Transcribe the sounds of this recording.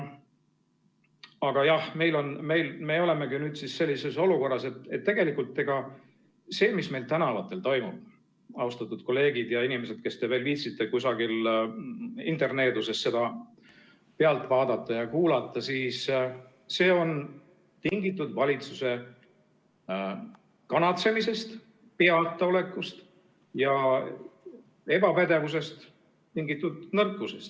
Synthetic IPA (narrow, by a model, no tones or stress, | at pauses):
ɑɡ̥ɑjɑhme̞jlo̞nme̞jlme̞o̞le̞me̞kinyːd̪sisse̞lʲːise̞so̞luko̞rːɑse̞t̪ːe̞t̪ːe̞ɡe̞likult̪ːe̞ɡ̥ɑ | se̞ːmisme̞jlt̪ænɑɑlɑt̪ːˑe̞lt̪o̞jmub̥̚ | ɑust̪ɑt̪ːˑud̪̚ko̞le̞ːɡid̪̥jɑinime̞se̞d̪̚ke̞st̪e̞ve̞ːlviːt̪sit̪ːe̞kusɑɡil | ḭnt̪e̞rne̞ːd̪use̞sːe̞d̪ɑ | peɑlt̪ːˑvɑːd̪ɑt̪ːˑɑjɑkuːlɑt̪ːˑɑsiːs | se̞ːo̞n | t̪iŋɡit̪ːˑud̪̥vɑlʲit̪suse̞ | kɑnɑt̪se̞mise̞st̪ | peɑt̪ːˑɑo̞le̞kːust̪ | jɑ | e̞bɑpæd̪e̞vus̬e̞st̪ | t̪iŋɡit̪ːˑud̪nɤrkːˑusest̪